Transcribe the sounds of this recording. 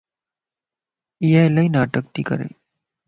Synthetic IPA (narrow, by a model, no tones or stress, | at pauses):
ijalainaːʈək̚t̪iːkə̰ɾḛ